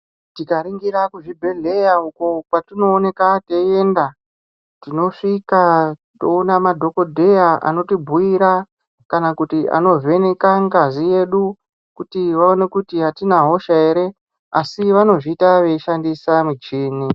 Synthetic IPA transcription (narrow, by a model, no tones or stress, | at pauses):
tikaɾiŋɡiɾakuʐibʱe̞ɮe̞jaukopwatino̞ːne̞kate̞e̞nda | tino̞ʂika | to̞unamadʱo̞ko̞dʱe̞jaʔa̰no̞tibʱuiɾa | kanakutiʔa̰no̞ve̞ne̞kaŋɡazije̞ɗu | kutiʋao̞ne̞kutiɦatinaɦo̞ʃae̞ɾe̞ | asiʋano̞ʐiːtaʋe̞iʃandisamut͡ʃiːni